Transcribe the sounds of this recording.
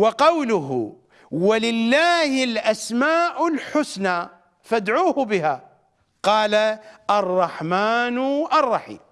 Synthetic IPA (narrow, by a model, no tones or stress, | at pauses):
wɑqɑwlʊɦʊ̰ | walɪlːaːhɪlʔasmaːʔalħʊsna | fad̪ʕuːhbɪha | qɑːlaʔɑrˤːɑħmaːnʔɑrˤːɑħḭːm